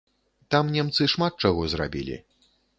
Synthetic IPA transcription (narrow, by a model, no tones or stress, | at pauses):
t̪amnʲɛmt̪sɨʂmat̪̚t͡ʂaɣɔzra̰bʲḭlʲḭ